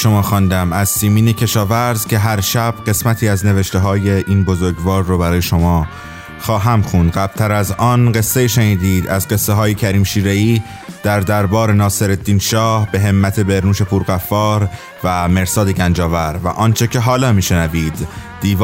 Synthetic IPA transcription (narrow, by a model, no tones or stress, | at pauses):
ʃo̞mɒːxɒnd̪æmæzsiːmiːnecʰe̞ʃɒːvæɾzcʰe̞ɦæɾʃæb̥ɢe̞smæt̪ʰiːæzne̞veʃt̪e̞ɦɒːje̞ʔiːnbozoɾɡvɒːɾːobæɾɒːjeʃo̞mɒː | xɒːɦæmxund̪ɢæb̥̚t̪ʰæɾæzɒːnɢe̞sːeiːʃeniːd̪iːd̪æzɢe̞sːeɦɒːje̞cʰæɾiːmʃiːɾe̞iː | d̪̥æɾd̪æɾbɒːɾe̞nɒːse̞ɾed̪ːiːnʃɒːhbe̞ɦemːæt̪ʰe̞be̞ɾnuːʃe̞pʰuɾɣæfːɒːɾ | væme̞ɾsɒːd̪eɟænd͡ʒɒːvæɾvæ̰ʔɒːnt͡ʃʰe̞cʰe̞ɦɒːlɒːmiːʃenæviːd̪̥ː | iːv